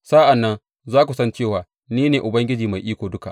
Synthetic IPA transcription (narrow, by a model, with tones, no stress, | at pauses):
sa˦ʔa˨nːɐ˦n | zaː˦kʷu˨sɐ˦nt͡ʃeː˦˨waː˨˦ | niː˦neː˨ʔʊ˨bɐ˦ŋɡʲɪ˦d͡ʒiː˨ma˨jʔiː˦kʷoː˨dʊ˦ka̰˨ʔ